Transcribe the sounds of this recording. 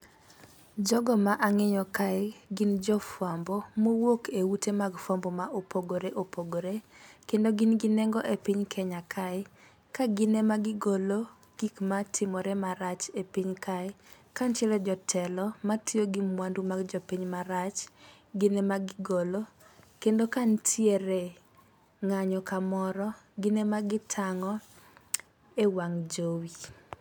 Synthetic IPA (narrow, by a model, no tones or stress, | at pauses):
d͡ʒɔɡɔmaʔaŋejɔkaɪɡɪnd͡ʒɔfwambomowokʰeutemaɡfwambɔmaʔopoɡoɾeʔopoɡoɾekendoɡɪnɡɪnɛŋɡɔʔepiɲkʰɛɲakʰaɪ | kaɡɪnemaɡɪɡolo | ɡ̥ikmatʰɪmɔɾemaɾat͡ʃepiɲkʰaɪ | kant͡ʃɛlɛd͡ʒɔtʰɛlɔmatʰjoɡɪmwandumaɡd͡ʒɔpiɲmaɾat͡ʃ | ɡɪnemaɡɪɡolo | kendokantʰjeɾe | ŋaɲɔkamɔɾɔɡɪnemaɡɪtʰaŋɔ | ewaŋd͡ʒowi